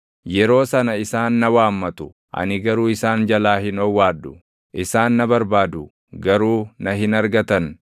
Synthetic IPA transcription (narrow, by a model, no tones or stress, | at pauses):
jɛɾo̞ːsɐnɐɪsaːnːɐwaːmːɐt̪ʊ | ʔɐ̰nɪɡɐɾuːɪsaːnd͡ʒɐlaːhɪnɔwːaːd̪ːʊ | ʔɪsaːnːɐbɐɾbaːd̪ʊ | ɡɐɾuːnɐɦɪnɐɾɡɐt̪ɐn